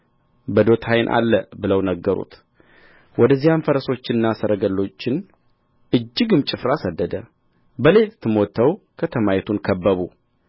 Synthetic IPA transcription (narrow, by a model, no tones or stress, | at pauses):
bəd̪o̞t̪ʰajɪnʔa̰lːəbɨləwnəɡːəɾṵt̪ | wʔɔd̪əzːijamfəɾəso̞t͡ʃːɪnːasəɾəɡəlːo̞t͡ʃːɪn | ʔɨd͡ʒːɪɡɨmt͡ʃʼɪfɾasəd̪ːəd̪ə | bəle̞t̪t̪ʰːɨmɔt̪ʰːəwkʰət̪ʰəmajɛt̪ʰunkʰəbːəβu